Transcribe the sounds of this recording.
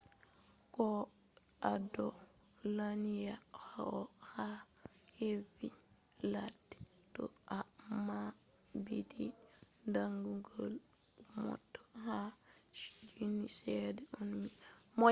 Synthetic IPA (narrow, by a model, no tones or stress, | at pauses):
kɔ | ʔadɔ | lanijahaɔhahevi | ladi̥ | tɔ̰ʔama | bidi | ndaŋɡuɡol | mɔ̰tːɔ̥haʃi̥d͡ʒinːisɛdɛʔunmimɔ